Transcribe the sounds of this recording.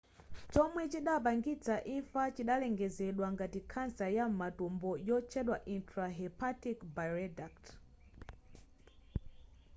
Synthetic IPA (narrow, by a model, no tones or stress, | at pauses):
t͡ʃɔmwɛt͡ʃiɗap̬aŋɡit͡saʔiɱfat͡ʃiɗalɛŋɡɛzɛɗwaŋɡatikʰansajamumatɔmbɔjɔt͡ʃʰɛɗwaʔintʰɾaɦɛpʰatikbajɾɛdakt